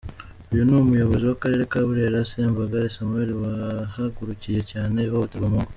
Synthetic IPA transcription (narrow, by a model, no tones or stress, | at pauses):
ujunumujo̞βo̞ziwakaɾe̞ːɾekaβuɾe̞ɾaseːmvaɡaɾesamue̞ɾiwahaɡuɾucije̞caːne̞hoβutaβamuŋɡo